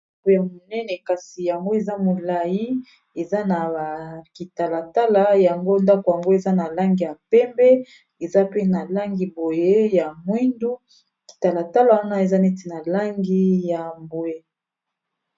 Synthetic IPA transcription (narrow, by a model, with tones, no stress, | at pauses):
a˦ko˨ja˨mo˨nɛ˦nɛ˨ka˨si˨ja˨ŋɡo˦e˨za˦mo˨la˨ji˦ | e˨za˦na˨ki˨ta˨la˨ta˦la˨ja˨ŋɡo˦nda˦ko˨ja˨ŋɡo˦e˨za˦na˨la˦ŋɡi˨ja˨pɛ˦mbɛ˦ | e˨za˦pe˦na˨la˦ŋɡi˨bo˨je˦ja˨mwi˦ndu˦ | ki̥˨ta˨la˨ta˦la˨wa˦na˦e˨za˦ne˦ti˨na˨la˦ŋɡi˦ja˨mbo˨e˦